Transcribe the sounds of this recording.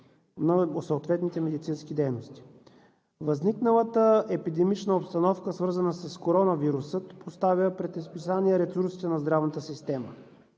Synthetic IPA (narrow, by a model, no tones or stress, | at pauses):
nɐsoot̪vɛt̪nit̪ɛmɛd̪it̪sinskid̪ɛjnost̪i̥ | vɐzniknəlˠət̪əɛpid̪ɛmit͡ʃnəopst̪ɐnɔfkəsvɤɾzənəsɐskoɾɔnəviɾusət̪post̪avəpɾɛt̪ispisaniɛɾɛsuɾsit̪ɛnɐzd̪ɾavnət̪əsist̪ɛmə